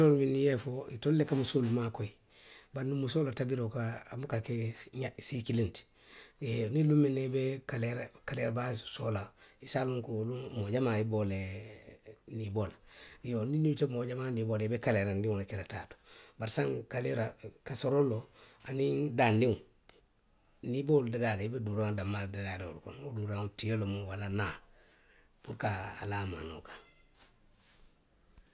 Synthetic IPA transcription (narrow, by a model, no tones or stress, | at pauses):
olminijefoitolːekamusolumakoi | banumusoːlatabiɾokaːmukakeɲasikilinti̥ | enilumːenebekaleɾakaleɾabasoːlaisaluŋkulumoɟamaibole | nibolaijoninitemoɟamaniboleibekaleɾandiŋlat͡ʃilata̰ːtu̥baɾsaŋkaliɾakasoɾoloaniŋdanːiŋu | niboldadadebeduɾaŋdamːaldadadeo̰lko̰noduɾaŋutijolomuwalana | puɾka̰ːlama̰no̰kḁ